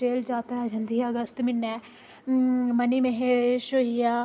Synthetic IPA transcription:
eːld͡ʒaːt̪əɾaːd͡ʒənd̪iːəɡəst̪mɪnːɛ | məniːmẽɦeʃoijaː

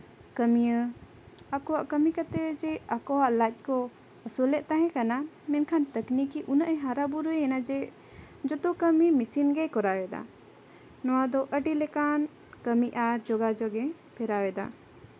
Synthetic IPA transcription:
kəmijə | akɔwaʔkəmikət̪ɛwɛd͡ʒɛakɔwaʔlat̪̚ˀkɔ | əsɔlɛʔt̪ãɦɛ̃kana | mɛnkʰant̪əknikiʔunaʔɛɦaɾabuɾuɛɛnad͡ʒɛ | d͡ʒɔt̪ɔkəmimisinɡɛkɔɾawɛd̪a̰ | nɔwad̪ɔʔəɖilɛkan | kəmiʔaɾd͡ʒɔɡad͡ʒɔɡɛ | pʰɛɾawɛd̪a̰

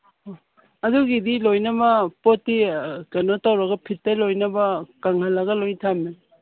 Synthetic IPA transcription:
ɐduɡidilojnɐbɐpotːikɐnotawɾɐɡɐpʰitːɐlojnɐbɐkɐŋhɐlɐɡɐlojtʰamin

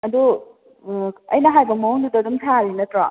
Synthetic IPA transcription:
ɐd̪u | ɐjnɐɦajbɐmɔŋdudɐdumtʰalinɐtɾɔ

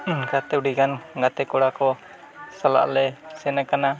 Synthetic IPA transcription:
ɡat̪ɛuɖiɡanɡat̪ɛkɔɽakɔ | sala̰ʔlɛsɛnakana

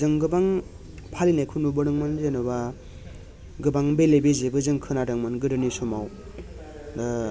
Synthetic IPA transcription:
zɯŋɡɯbaŋ | pʰalinajkʰunubɯɾɯŋmɯnzenɯba | ɡɯbaŋbelebezebɯzɯŋkʰɯnadɯŋmɯnɡɯɾɯnisɔmaw | da

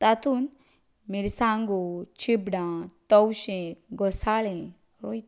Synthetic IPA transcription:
t̪at̪un | miɾisãŋɡot͡ɕʰibɖãt̪ɔwɕẽɡɔsaɭẽ | ɾojt̪

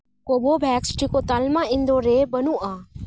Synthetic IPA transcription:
koːbobʱɛːksʈʰikot̪aːlmãːɪ̃nd̪oɾeːbənuʔaː

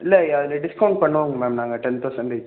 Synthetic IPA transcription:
ɪlːɐɐðɪlɐɖɪskɐʊɳɖ̚pɐɳːɐʋaːŋɡɐmaːmnaːŋɡɐʈɛnt̪oːsɐnd̪e

